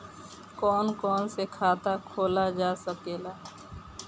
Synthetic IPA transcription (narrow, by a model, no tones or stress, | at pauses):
kɔːnkɔːnsekʰaːt̪akʰoːlad͡ʒaːsəkeːlaː